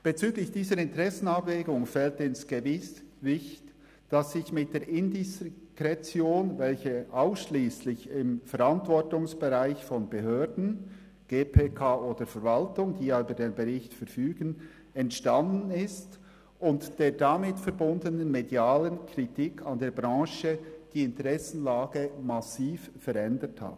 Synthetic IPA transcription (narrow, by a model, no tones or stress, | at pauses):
b̥et͡syːɡlɪçd̥iːzəɾɪntʁɛsn̩abveːɡʊŋfɛltɪnsɡ̥evɪsvɪçt | d̥asɪçmɪt̚d̥eːɾʔɪndɪskʁɛt͡sjoːnvɛlçəʔaʊsʃliːslɪçɪmfɛɾantv̥ɔɹtʊŋsb̥eʁaɪçfɔnbeɦøːɹdn̩ | ɡ̥eːpʰeːkʰaːoːd̥əfɛɾvaltʊŋd̥iːjayːbədeːnbɛʁɪçtfɛɾfyːɡ̥ən | ɛntʃtandn̩ɪst | ʔʊntd̥eːɹdamɪtfɛɾbʊndənənmedjaːlənkʁitikʰandeːɐɾbʁɑ̃ːʃəd̥iːɪntəʁɛsn̩laːɡəmasiːf | fɛɾɛndətha̰t